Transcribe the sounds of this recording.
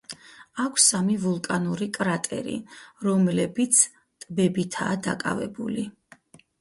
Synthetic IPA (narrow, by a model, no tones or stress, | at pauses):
akʷʰsamivulˠkʼanuɾikʼɾat̪ʼɛ̰ɾḭɾɔmlɛbit̪sʰ | t̪ʼbɛbit̪ʰa̰ːd̪a̰kʼa̰vɛbuli